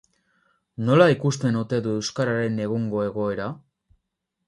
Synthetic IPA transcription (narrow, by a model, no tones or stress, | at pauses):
no̞laikust̪e̞nut̪e̞ðuewskaɾaɾe̞ne̞ɣ̞uŋɡo̞e̞ɣ̞o̞e̞ɾa